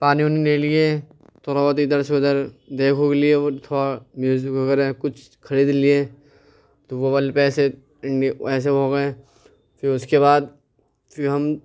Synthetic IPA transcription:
paːnionineːlie | t̪ʰoːɾaːʋət̪̬id̪əɾseʊd̪əɾd̪eːkʰokeliet̪ʰoːɾamjuːzɪkʋɐɡəɾekʊt͡ʃʰ | kʰɐɾiːd̪lie | t̪oʋobɐlpɛːse | ɪɳɖɛːs̬eoːɡɐẽ | fʰɪɾʊskebaːd̪̚ | pʰɪɾɦɐm

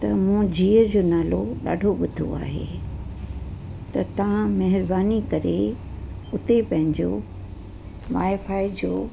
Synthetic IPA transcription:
t̪ɐmũd͡ʑiːəd͡ʑoːnaːloɗa̰ːɖʱoɓʊd̪ʱo̰a̰ːɦḛ | t̪ɐt̪ɐʋãmɐɦɪɾbaːnikɐɾe | ʊt̪epɐ̃ɦɪ̃ɲd͡ʑoː | ʋaːefaːid͡ʑoː

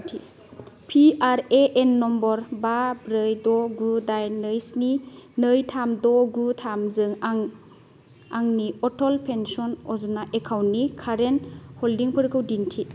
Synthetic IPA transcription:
tʰi | pʰiaɾeʔenːɔmbɔɾbabɾɯjdɔɡudajnɯjsninɯjtʰamdɔɡutʰamzɯŋaŋ | aŋniɔtʰɔlpʰensɔnɔzunaʔekʰawnikʰaɾenhɔldiŋpʰɯɾkʰɯwdintʰi

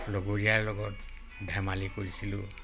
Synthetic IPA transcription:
loɡoɹijaɹlɔɡɔt | dʱamalikoɹisilʊ

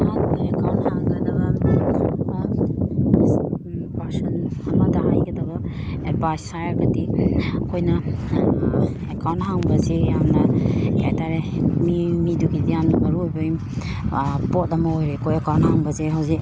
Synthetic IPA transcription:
hanekawnthaŋɡɐdɐbɐ | pasɔnamadahajɡɐdɐbɐ | ebajsajaɡɐdikʰojnɐ | ekawnthaŋbɐzejamnɐḛtaɾemimiduɡidijamnɐmɐɾujbɯj | pot̚ɐmɐojɾekʰojekaw̃nthaŋbɐzeɦawze

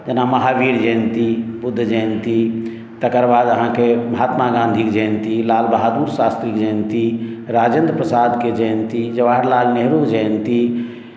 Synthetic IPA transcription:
d͡ʒənaməɦaʋiɾd͡ʒəjnt̪ibud̪ʱːd͡ʒənt̪i | t̪əkəɾbad̪əɦãkeməɦat̪maɡãnd̪ʱikd͡ʒəjnt̪ilalbəɦad̪uɾsast̪ɾikd͡ʒəjnt̪iɾad͡ʒend̪pɾəsad̪ked͡ʒəjnt̪id͡ʒəʋaɾlalneɦɾokd͡ʒəjnt̪i

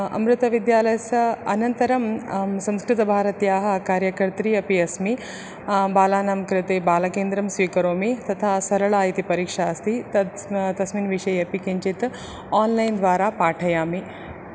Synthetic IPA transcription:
ɐ̰mɾɪt̪ɐʋid̪jaːlɐjɐsɐɐnɐnt̪ɐɾɐmsɐ̃mskɾɪt̪ɐbʱaːɾɐt̪jaːɦɐ̆kaːɾjɐkɐɾt̪ɾiːɐpiɐsmi | baːlaːnamkɾɪt̪eːbaːlɐkeːnd̪ɾɐmsʋiːkɐɾoːmit̪ɐt̪ʰaːsɐɾɐɭaːjit̪ipɐɾiːkʂaːɐst̪ʰit̪ɐt̪ɐsmiːnʋiʂɐjɐpikiɲt͡ʃit̪ | aːnlajnd̪ʋaːɾaːpaːʈʰɐjaːmi

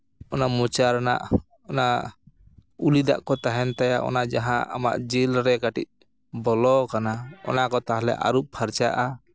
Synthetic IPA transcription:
ɔnamut͡ʃaɾana̰ʔ | ɔna | ulid̪aʔkɔt̪aɦɛnt̪aja̰ʔɔ̰nad͡ʒaɦãʔa̰ma̰ʔd͡ʒilɾɛkaʈḭc̚ | bɔlɔkanaɔ̰nakɔt̪aɦalɛ̰ʔa̰ɾuʔ̚pʰaɾt͡ʃaʔa

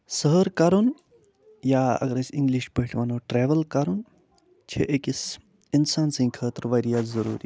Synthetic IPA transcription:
səɦəɾkɐɾun | jaːɐ̰ɡɐɾɐsʲiŋɡliʃpəɦʈʰʋaːnoːʈɾeːʋɐlkɐɾun | t͡ʃʰḛʔekis | insaːnsɐ̃ːkʰəːt̪əɾʋɐɾijaːt̪zɐɾuːɾḭː

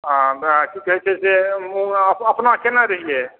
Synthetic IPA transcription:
akʰikːəɦɛt͡ʃʰɛseuəpəpnakenaɾəɦije

